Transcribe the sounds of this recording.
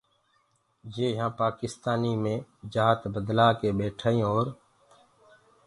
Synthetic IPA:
d͡ʒeːɦãːpaːkɪst̪aːniːmẽːd͡ʒaːt̪bəd̪laːkeːɓeːʈʰaːĩːɦoːɾ

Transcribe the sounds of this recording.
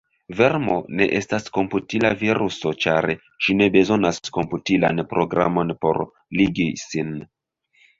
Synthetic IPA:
ve̞ɾmo̞̰ne̞̰ʔe̞stasko̞mputilaviɾuso̞t͡ʃaɾ | ʃine̞be̞zo̞nasko̞mputila̰npɾo̞ɡɾa̰mo̞npo̞̰ɾ | liɡisin

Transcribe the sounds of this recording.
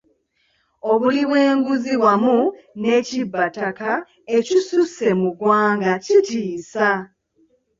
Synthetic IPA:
o̞βuliβwe̞ːŋɡuziβwamu | ne̞ːcibːataka | e̞cisuse̞muɡwaːŋɡacitiːsa

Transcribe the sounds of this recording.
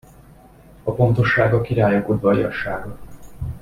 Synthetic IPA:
ɒfo̞nt̪o̞ʃːaːɡɒkiɾaːjokud̪vɒjɒ̰ʃaːɡɒ

